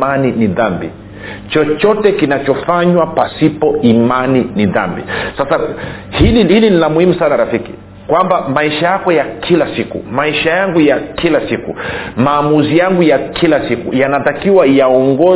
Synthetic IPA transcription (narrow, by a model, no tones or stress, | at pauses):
aniniðambḭ | t͡ʃɔt͡ʃɔtɛkinat͡ʃɔfaɲwapasipɔimaniniða̰mbḭsasa | hiliilinilamuhimusanaɾafikḭ | kwambamaiʃajakɔjakʰilasikṵmaiʃajaŋɡujakilasikṵmaːmuzijaŋɡujakʰilasikṵjanatakiwajaɔŋɡɔ